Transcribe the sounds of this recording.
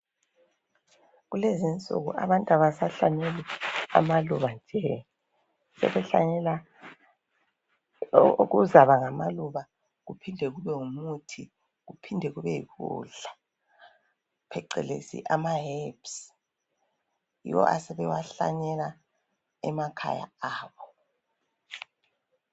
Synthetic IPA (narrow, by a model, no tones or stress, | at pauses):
ɣulezint͡sʼṵɣṵa̰βantʼaβasaɬaɲɛlia̰maluβand͡ʒʱɛ | sɛ̰βɛɬa̰ɲɛla | oɣuzaβaŋamaluβa | ɣupʰindʱɛɣuβɛŋumutʰi | ɣupʰindʱɛɣuβɛjḭkṵɮa | pʰɛǃɛ̰lḛsḭʔamaɦɛps | jḭwɔ̰ʔa̰sɛβɛwaɬa̰ɲɛla | ɛmakʰa̰ja̰aːβɔ